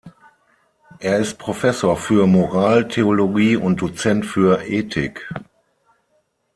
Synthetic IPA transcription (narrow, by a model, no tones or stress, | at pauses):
ʔeːɐɪst̚pʁ̥ofɛsoːɐfyːɐmoʁaːltʰeoloɡiːʊnt̚d̥ot͡sɛntfyːɐʔeːtʰɪk